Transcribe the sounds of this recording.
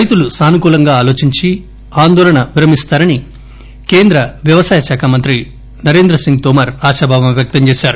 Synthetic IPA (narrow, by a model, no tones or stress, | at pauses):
ɾɐjt̪ulusaːnukuːlɐŋɡaːaːlo̞ːt͡ʃiɲt͡ʃi | aːnd̪ɔːlɐɳɐʋiɾɐmist̪aːɾɐni | ke̞ːnd̪ɾɐʋjɐʋɐsaːjɐʃaːkʰamɐnt̪ɾi | nɐɾeːnd̪ɾɐsiŋɡ̚t̪omɐɾaːʃaːbʱaːʋɐmʋjɐk̚t̪ɐɲt͡ʃeːsaːɾu